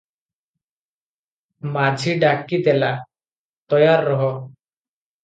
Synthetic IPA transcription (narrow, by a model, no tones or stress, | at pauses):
mad͡ʒʱiɖakid̪ɛla | t̪ɔjaɾːɔɦɔ